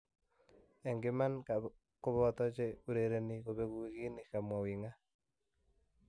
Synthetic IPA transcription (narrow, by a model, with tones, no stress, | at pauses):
ɛ˨ŋɡɪ˦ma˦nka | ko˦βɔ˦t̪ɔ˦t͡ʃe˦u˨ɾe˨ɾe˦ni˨ko˨βe˦ku˦i˦ki˦ni˨ka˨mwa˨wi˨ŋa˦